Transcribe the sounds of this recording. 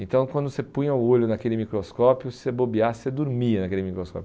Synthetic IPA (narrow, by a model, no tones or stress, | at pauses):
ẽnt̪ɐ̃w̃kwɐ̃nd̪ʊsepũɲɐʊoʎʊnakelɪmikɾoskɔpjʊsebobiased̪ʊɾmiɐnɐkelɪmikɾoskɔ̰pj